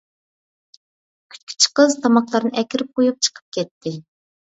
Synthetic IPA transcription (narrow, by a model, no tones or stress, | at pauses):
kʲʰy̥t̪ʲkʲʰy̥t͡ʃʰqəzt̪ʰɑmɑqlˠɑɾnɨʔɛkʲɪɾɪp̚qʰojup̚t͡ʃʰə̥qʰə̥p̚kʲɛt̪ʰːɪ